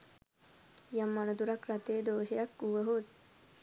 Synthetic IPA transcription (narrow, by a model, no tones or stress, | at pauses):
jamːanəd̪uɾakɾat̪eːd̪oːʃejakːuʋəɦot̪̚